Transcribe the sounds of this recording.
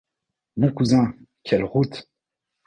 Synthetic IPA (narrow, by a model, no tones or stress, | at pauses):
mɔ̃kuzɛ̃ | kʲʰɛlʁut̪